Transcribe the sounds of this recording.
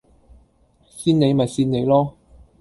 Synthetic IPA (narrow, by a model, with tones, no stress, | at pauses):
siː˥ne˨˧jmɐ˨˩jsiː˧˥nne˨˧jlɔː˥